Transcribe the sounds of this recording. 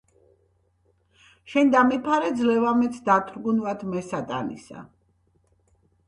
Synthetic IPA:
ʃɛnd̪amipʰaɾɛd̪zlɛvamɛt̪sʰd̪at̪ʰɾɡunvat̪ʰmɛsat̪ʼa̰nḭsa̰

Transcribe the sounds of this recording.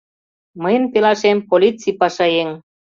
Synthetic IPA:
məjənt̪elɑʃempolʲit͡sipɑʃɑjeŋ

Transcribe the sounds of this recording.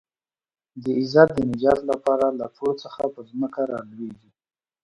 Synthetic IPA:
d̪əɪzat̪̚d̪ənɪd͡ʒɑt̪lapɑɾalat̪ʰoɽot͡səxapəzməkaɾɑlweɡi

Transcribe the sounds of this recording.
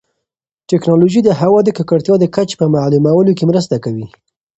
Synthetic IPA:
ʈɛknɑloʒid̪əɦawɑd̪əkakaɽt̪jɑd̪əkat͡ʃe̥pəmaʕlumawəlokemɾəst̪akawi

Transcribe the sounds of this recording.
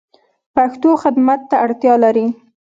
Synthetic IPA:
paxt̪oxɪd̪mat̪ːaaɽt̪jɑlaɾi

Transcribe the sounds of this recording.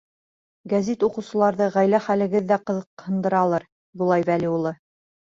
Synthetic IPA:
ɡæzit̪uqɤ̆wsɤ̆lˠɑɾðɤʁæjlæχælɘ̆ɡɘðːæqɤ̆ðɤ̆qhɤ̆nd̪ɤ̆ɾɑlˠɤɾ | bulˠɑjβæliulˠɤ

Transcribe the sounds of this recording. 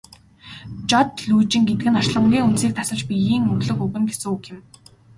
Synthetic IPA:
t͡ɕɔt̪ɮuːt͡ɕĭŋɡet̪ɘ̆ɡɘ̆nχɔrʃɮə̆ŋɡʲiːŋunseːk̚t̪ʰasə̆t͡ɕpijiːŋɵɣɮɵ̆kɵɣɘ̆ŋɡesɘ̆ŋukʰɪ̆m

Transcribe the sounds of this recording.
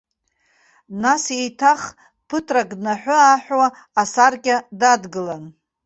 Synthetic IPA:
nasejtʰaχ | pʰɨtʰraɡnaħʷᶣʊaħʷᶣwaː | sarkʲʼadadɡɨlan

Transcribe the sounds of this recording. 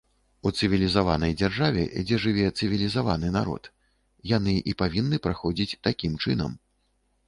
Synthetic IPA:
ut̪sɨvʲilʲizavanɐjd͡zʲarʐavʲɛ̰d͡zʲɛʐɨvʲɛt̪sɨvʲilʲizavanɨna̰ɾɔ̰t̪ | jan̪ɨʔipavʲinːɨpɾaxɔd͡zʲit͡sʲt̪akʲimt͡ʂɨnɐ̰m

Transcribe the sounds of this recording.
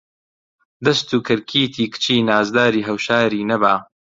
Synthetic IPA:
d̪ɐst̪uːkʰɨɾkʰiːt̪ʰiːkɨ̥t͡ʃʰiːnaːzd̪aːɾiːɦɐwʃaːɾiːnɐbaː

